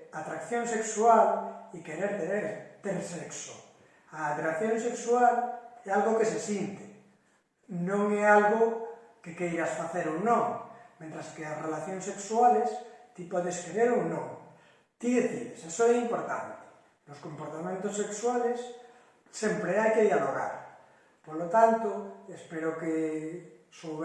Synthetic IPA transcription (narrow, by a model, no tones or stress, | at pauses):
at̪ɾakθjõŋseksuwalikeɾeɾt̪eɾeɾt̪elsekso | aːt̪ɾakθjõnseksuwalealɣokesesjint̪e̥ | nõŋɛalɣokekejɾasfaθeɾonõŋmjẽnt̪ɾaskearelaθjoŋsekswalest̪ipwoðeskeɾeɾonõŋ | t̪iðeθilesesoeɛimpoɾt̪a̰nt̪e̥ | loskompoɾt̪amẽnt̪osekswalesː | empɾeajkeðjaloɣa̰ɾ | polot̪ant̪oespeɾoke | soβ